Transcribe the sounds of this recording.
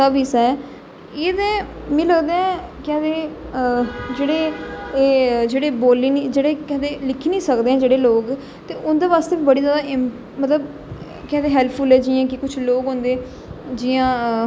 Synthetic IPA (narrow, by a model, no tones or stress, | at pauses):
aːbiːsɛɛ | eːd̪ẽː | mɛ̃ːləɡd̪eːɛ̃ːkɛ̃ːd̪eː | d͡ʒeːɽeː | d͡ʒeːɽeːboːliːnid͡ʒeːɽeːkɛ̃ːd̪eːlɪkʰːiːnĩːsəkd̪eːɛ̃ːd͡ʒeːɽeːloːɡ | t̪eːʔʊnd̪eːʋaːst̪eːbiːbəɽiːzaːd̪aːʔɪ | mət̪ləb | kɛ̃ːd̪eːɦɛːlpʰpʰʊlɛːd͡ʒijãːkɪkʊt͡ʃʰloːkɦõːnd̪eː | d͡ʒɪjãː